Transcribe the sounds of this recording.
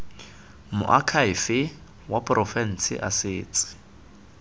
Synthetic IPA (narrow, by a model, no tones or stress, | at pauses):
mʊ̰ʔakʰaɪfɪ | wapʼrʔɔfɛn̩sɪ̰ʔasɪːt͡sʼɪ̥